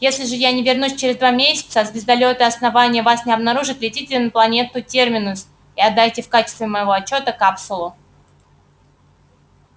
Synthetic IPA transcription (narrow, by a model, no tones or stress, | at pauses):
jesʲlʲɪʐɨjanʲɪvʲɪrnusʲt͡ɕɪɾʲɪzd̪vamʲesʲɪ̥t̪səazbʲɪzd̪ɐlʲot̪ɨɐsnɐvanʲɪjəvasnʲɪɐbnɐɾuʐɨt̪ʲlʲɪtʲitʲɪlʲɪnəplˠɐnʲe̞t̪ʊtʲermʲɪnʊs | iɐd̪ːajtʲɪfkat͡ɕɪst̪vʲɪməjɪvo̞ɐt͡ɕːo̞t̪əkapsʊlˠʊ